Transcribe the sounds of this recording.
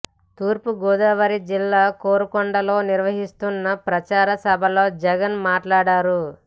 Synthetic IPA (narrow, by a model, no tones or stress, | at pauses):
t̪uːɾpuɡɔːd̪aːʋɐɾid͡ʒilːaːkoːɾukɔɳɖɐlo̞ːniɾʋɐɦist̪unːɐpɾɐt͡ʃaːɾɐsɐbʱɐlo̞ːd͡ʒɛɡɐnmaːʈlaːɽaːɾu